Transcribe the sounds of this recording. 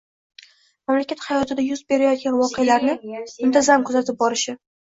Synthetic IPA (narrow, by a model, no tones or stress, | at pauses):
mamlakʲat̪hɑjɒt̪ʰɪd̪ajʊzbe̞ɾajɒt̪̚ɡʲanvɒqʰejalaɾnɪʊnt̪ʰazamkʰʊzat̪ʰɪp̚bɒɾɪʃɪ